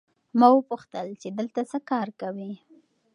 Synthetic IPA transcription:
mawəpuxt̪əlt͡ʃed̪əlt̪asəkɑɾkawi

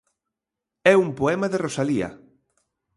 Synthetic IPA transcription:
ɛumpoɛmɐðerosaliɐ̰

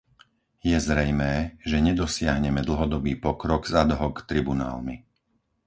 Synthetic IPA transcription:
jɛzɾɛjmɛːʒɛɲɛd̪ɔsɪaɦɲɛmɛd̪l̩ɦɔd̪ɔbiːpɔkɾɔɡzad̪ɦɔkt̪ɾibuna̰ːlmi

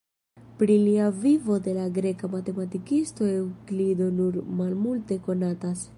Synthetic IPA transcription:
pɾiliavivo̞de̞laɡɾe̞kamate̞matikisto̞ewklido̞nuɾmalmulte̞ko̞natas

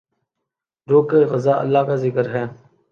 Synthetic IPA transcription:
ɾoːkeːɣəzaːʔə̰lːaːkaːzɪkəɾɦɛː

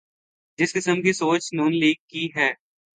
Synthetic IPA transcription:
d͡ʒɪskɪsəmkisoːt͡ʃnuːnliːɡ̚kiɦɛː

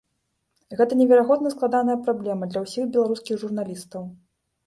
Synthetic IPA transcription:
ɣɛt̪ɐnʲɛvʲɛɾaɣɔd̪nɐsklˠad̪anɐjɐpɾablʲɛmɐd̪lʲɐwsʲiɣbʲɛlˠaɾuskʲiɣʐurnalʲist̪ɐw

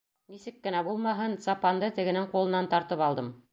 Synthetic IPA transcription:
nisɘkːɘ̆næbulˠmɑɦɤnsɑpɑnd̪ɤt̪ɘ̆ɡɘ̆nɘŋqulˠɤ̆nɑnt̪ɑɾt̪ɤpɑlˠd̪ɤm

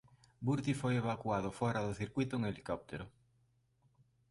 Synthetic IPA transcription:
buɾt̪ifojeβakwaðʊfɔɾaðʊθiɾkwit̪ʊeŋelikɔp̚t̪eɾʊ

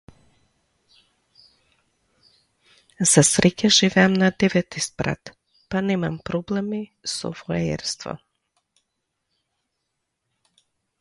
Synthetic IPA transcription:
z̥asɾʔɛcʲaʒivɛamnad̪ɛvɛt̪ispɾa̰t̪ | panɛmampɾɔblɛmisɔ̰voɛɛ̰ɾst̪vɔ̰

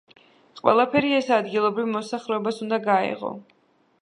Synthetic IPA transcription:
qʼwɛ̰lˠapʰɛɾiɛsad̪ɡilˠɔbɾivmɔsaχɾɛɔbasund̪aɡaɛ̰ʁɔ̰

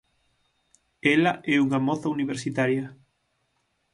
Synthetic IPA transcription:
ɛlɐʔɛuŋamɔθɐuniβeɾsit̪aɾjɐ

